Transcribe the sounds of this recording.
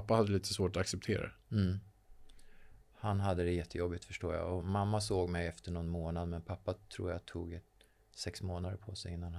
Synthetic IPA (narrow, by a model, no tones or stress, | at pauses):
apːahad̪ːəliːt̪ʰə̥svoːʈɔaksɛp̚t̪ʰeːɾa̰ | hanɦad̪ːəd̪ɛjɛt̪ːəjɔbːɪt̪fœʂʈo̰ːja̰ɔmamːasoːɡmɛjɛft̪əɳɔnmoːnad̪mɛnpʰapːat̪ʰɾṵːjat̪ʰṵːɡɛ | sɛksmoːnad̪əpʰɔsɛjɪnːan